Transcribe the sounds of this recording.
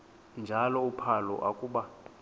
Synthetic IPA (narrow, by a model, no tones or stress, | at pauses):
nd͡ʒʱalɔupʰalɔ̰ʔa̰kʼuːɓa